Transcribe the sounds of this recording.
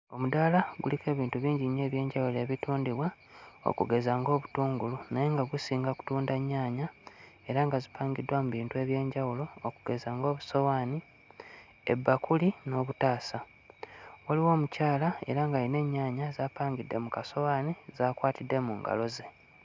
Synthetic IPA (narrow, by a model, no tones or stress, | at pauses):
o̞mudalaɡulike̞ːβiːntuβiːɲɟiɲe̞ːβje̞ːɲɟawuloe̞ːβituːndiβwa | o̰kuɡe̞zaŋɡo̞ːβutuːŋɡulunaje̞ŋɡaɡusiːŋɡaku̥tuːndaɲːaːɲa | e̞ɾaŋɡazipaːŋɡidwamuβiːntue̞ːβje̞ːɲɟawulo̞ːkuɡ̥e̞zaːŋɡo̞ːβuso̞waːni | ḛbːakulino̞ːβutaːsa | waliwo̞ːmucaːlae̞̰ɾaŋɡajine̞ɲːaːɲazaːpaːŋɡidːe̞mukaso̞waːnizaːkwaːtidːe̞muːŋɡa̰lo̞ze̞